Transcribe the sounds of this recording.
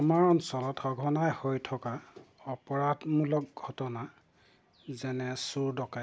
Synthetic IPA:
ɔmaɹɔnsɔlɔtɔɡʱɔnajhojtʰɔka | ɔpɔɹadmulɔk̚ɡʱɔtɔna | zɛnɛsuɹdɔka

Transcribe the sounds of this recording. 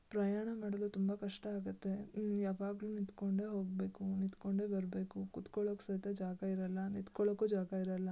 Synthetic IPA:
pɾɐjaːɳɐmaːɽɐlut̪umbɐkɐʂʈɐaːɡut̪ːe̞jaːʋaːɡluːnit̪koɳɖe̞ɦo̞ːɡ̚be̞ːkunit̪koɳɖe̞ːbɐɾbe̞ːkukut̪koɭokːsɐt̪ɐd͡ʒaːɡɐiɾɐlːɐnit̪koɭokːud͡ʒaːɡɐiɾɐlːɐ

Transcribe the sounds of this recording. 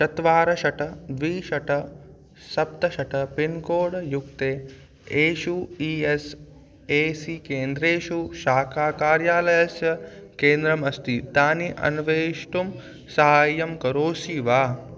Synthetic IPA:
ʃɐt̪ʋaːɾɐʃɐʈɐd̪ʋiːʃɐʈɐ | sɐp̚t̪ɐʃɐʈɐpinkoːɽjukt̪eː | eːʃuiːes | eːsikeːnd̪ɾeːʃuʃaːkʰaːkaːɾjaːlɐjɐsjɐkeːnd̪ɾɐmɐst̪it̪aːniʔɐ̰nuʋeːʂʈum | sɐɦaːjɐmkɐɾoːʃiːʋaː

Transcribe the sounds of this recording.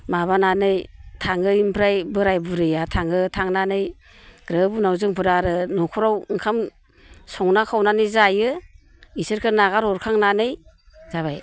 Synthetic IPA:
maβananɯjtʰaŋɯimpʰɾajbɯɾajbuɾɯjatʰaŋɯtʰaŋnanɯj | ɡ̥ɾɯbunawzɯŋpʰɯɾaɾɯnukʰɔɾawɯŋkʰam | sɔŋnakʰawnanɯjzajɯ | isɯɾkʰɯnaɡaɾɔɾkʰaŋnanɯj | z̥aβaj

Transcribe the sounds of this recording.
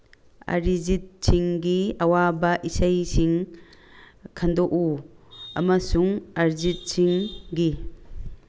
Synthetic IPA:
a̰ɾizit̚siŋɡiɐwabɐʔisajsiŋ | kʰandoʔuɐmɐsuŋɐɾzit̚siŋɡi

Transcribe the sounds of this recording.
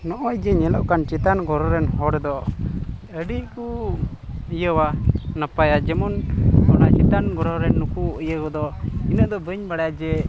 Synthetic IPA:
nɔʔɔjd͡ʒɛɲɛləʔkant͡ʃɛt̪anɡɔɾɔɾɛnhɔɽd̪ɔ | əɖiku | əjəwanəpajad͡ʒɛmɔnɡɔnat͡ʃɛt̪anɡɔɾɔɾɛnːukuəjəkɔd̪ɔinəʔd̪ɔbəɲbaɽjad͡ʒɛ

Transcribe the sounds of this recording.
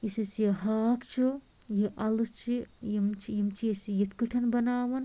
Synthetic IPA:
jisisjeɦaːkt͡ʃʰu | jiʔɐlɨst͡ʃʰijimt͡ʃʰijimt͡ʃʰiisijit̪kuʈʰɐnbɐnaːʋɐn

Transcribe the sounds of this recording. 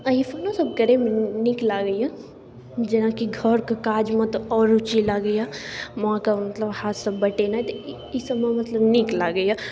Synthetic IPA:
ɐifʰɐnosɐb̚kəɾemenɪklaɡəija | d͡ʒɐnakiɡʱəɾkakaːd͡ʒmɐ̃t̪ɔːɾʊt͡ʃilaɡəjamɐɦãkamɐt̪ləbhaːt̪sɐbːɐʈenaɛt̪o | isɐmemɐt̪ləbniklaɡəja

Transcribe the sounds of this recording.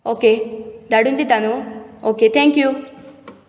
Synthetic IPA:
oːked̪aɽund̪it̪anuoːket̪ʰẽŋkju

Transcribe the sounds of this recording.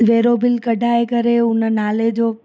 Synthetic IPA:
ʋeɾobilkəɖʱaekəɾeunənaled͡ʒo

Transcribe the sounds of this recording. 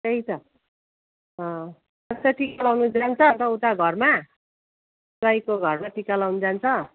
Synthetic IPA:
teit̪ʌ | ʌ | ʌt̪ʌʈʰikalawnud͡zant͡sʰʌt̪ʌut̪aɡʱʌrma | t͡sʌjkoɡʱʌrmaʈʰikːalawnud͡zant͡sʰʌ

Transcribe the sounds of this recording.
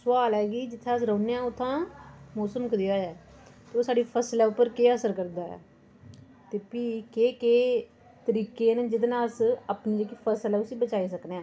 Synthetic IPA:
sʊwaːlɦɛːɡiːd͡ʒɪt̪ʰːẽːəsɾə̃ːneːãːʊt̪ʰːãːmɔːsəmkəd̪ɪjaːɛːt̪eːoːsaːɖiːpʰəslɛːʊpːəɾkeːəsəɾkəɾd̪aːɛ̰ː | t̪eːpiːkeːkeː | t̪əɾiːkeːnd͡ʒɪd̪nːəsəpniːd͡ʒeːkiːpʰəslɛːʊsiːbət͡ʃaːiːsəkneːãː

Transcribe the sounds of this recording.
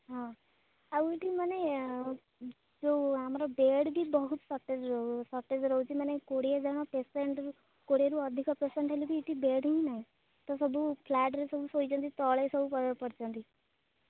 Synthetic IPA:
ɦã | əʋuʈimane | d͡ʒoamɾabeːɖbʱibəɦut̪sɔʈːed͡ʒɾsəʈːed͡ʒɾɔɦut͡ʃimanekoɽied͡ʒaɽ̃apeseɳʈu | koɽeɾuəd̪ʱikɔpesẽɳʈɦelibʱiːʈibeːɽɦĩnaːɦĩ | t̪ɔsəbʱupʰlɛːʈ̬ɾesəbʱusoit͡ʃɔ̃nd̪it̪ɔɭesəbʱupəpəɽt͡ʃɔ̃nd̪i

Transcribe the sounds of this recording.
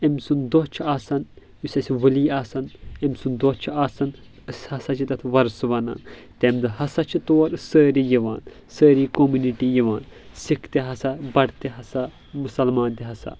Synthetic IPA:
emsund̪ot͡ʃʰiaːsɐn | jusʲɐsʲiʋɐliːaːsɐnemʲsund̪ot͡ʃʰiaːsɐn | ɨsʲhɐsɐt͡ʃʰit̪ɐt̪ʰʋɐɾsʋɐna̰ːnt̪emd̪ɨhɐsɐt͡ʃʰit̪oːɾɨsəːɾijiʋaːn | səːɾiːkomuniʈijiʋaːn | sikʰt̪iɦɐsabɐɽt̪eɦɐsa | musɐlmaːnt̪iɦɐsa̰

